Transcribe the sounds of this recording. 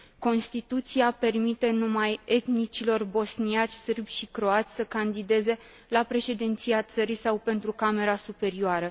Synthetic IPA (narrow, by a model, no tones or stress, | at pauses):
ko̞nst̪it̪ut̪siape̞rmit̪e̞numaje̞t̪nit͡ʃilo̞rbo̞sniat͡ʃʲsɨrbʲʃikɾo̞at̪sʲsəkand̪id̪e̞ze̞ | lapɾe̞ʃe̞d̪int̪siat̪səɾisawpe̞nt̪ɾukame̞ɾasupe̞ɾioaɾə